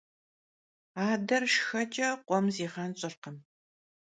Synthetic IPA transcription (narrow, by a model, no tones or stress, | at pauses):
aːdɐrʂxɐt͡ʃʼɐqʷɔmziːʁɐnɕʼɪrqəm